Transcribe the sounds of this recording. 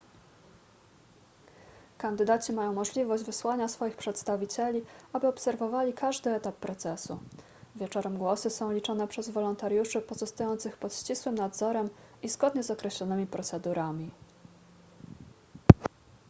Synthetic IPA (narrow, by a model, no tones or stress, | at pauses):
kand̪ɘd̪at͡ɕimajɔ̃w̃mɔʐlʲivɔʑd͡ʑvɘswaɲasfɔjixpʂɛt̪st̪avʲit͡ɕɛlʲiabɘɔpsɛɾvɔvalʲikʰaʐd̪ɘɛt̪apːɾɔt̪sɛsṵ | vʲjɛt͡ʂɔɾɛmɡwɔsɘsɔ̃w̃lʲit͡ʂɔnɛpʂɛzvɔlɔnt̪aɾjuʂɘpɔzɔst̪ajɔnt̪sɘxpɔt̪ɕt͡ɕiswɘmnad̪zɔɾɛm | izɡɔd̪ɲɛzɔkɾɛɕlɔnɘmʲipɾɔt̪sɛd̪uɾʔamʲi